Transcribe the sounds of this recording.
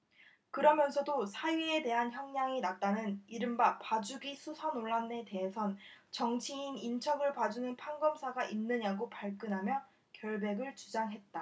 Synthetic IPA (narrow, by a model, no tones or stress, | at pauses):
kɯɾʌmjʌnsʰʌdosʰaɥie̞de̞ɦançjʌŋɲaŋinak̚t͈anɯniɾɯmbapad͡ʑuɡisʰusʰanoɭːane̞te̞ɦesʰʌnt͡ɕʌŋt͡ɕʰiinint͡ɕʰʌɡɯɭpad͡ʑunɯnpʰaŋɡʌmsʰaɡaʔinːɯɲaɡopaɭk͈ɯnɦamjʌ | kjʌɭbe̞ɡɯɭt͡ɕud͡ʑaŋɦe̞t̚t͈a